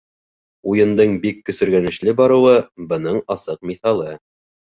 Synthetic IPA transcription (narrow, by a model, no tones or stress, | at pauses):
ujɤ̆nd̪ɤɴbikːɵ̆sɵ̆ɾɡænɘ̆ʃlɘbɑɾɤ̆wɤbɤ̆nɤɴɑsɤq̚miθɑlˠɤ